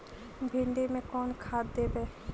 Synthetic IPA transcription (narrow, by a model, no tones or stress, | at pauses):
bʱɪɳɖemẽkɔːnkʰaːd̪d̪eːbeː